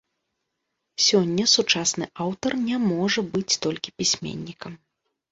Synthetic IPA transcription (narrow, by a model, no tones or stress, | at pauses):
sʲɔnʲːɐsut͡ʂasnɨʔawt̪ɐrnʲɛmɔʐɐbɨt͡sʲt̪ɔlʲkʲipʲisʲmʲḛnʲːikɐm